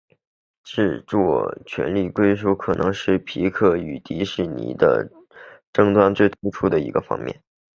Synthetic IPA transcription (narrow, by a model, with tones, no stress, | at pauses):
ʈ͡ʂɻ̩˥˧t͡swɔ˥˩t͡ɕʰɥɛ̰˧˥nli˥˩kwe˥ɪʂ̬u˥˩kʰɤ˨˩nʔɤ̰˧˥ŋʂɻ̩˥˩pʰi˧˥kʰɤ˥˩y˨˩t̪i˧˥ʂɻ̩˥˩nḭ˨˩d̪ə̰˦ | ʈ͡ʂɤ˥˧ŋt̪wa˥nt͡swe˥˩ɪt̪ʰu˥ʈ͡ʂʰu˥d̪ə˨ḭ˧˥ɡə˧fɑ̰˥ŋmjɛ̰˥˩n